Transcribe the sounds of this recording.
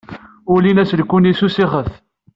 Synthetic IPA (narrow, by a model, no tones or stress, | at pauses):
ʊlinæslkːunisusiχəθ